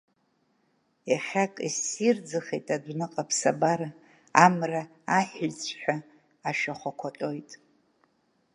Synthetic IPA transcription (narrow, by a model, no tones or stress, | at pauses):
jaχʲakʼisird͡zɨχejtʼadʷnɨqʼapʰsabaɾa | amra | aħɪt͡sʷʰʼħʷᶣa | aʃᶣaχʷakʷʰatʼo̞jtʼ